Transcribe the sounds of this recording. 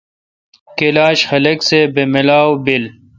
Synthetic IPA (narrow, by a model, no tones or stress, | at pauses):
kelaːɕxɐlɐksebemilaːwbil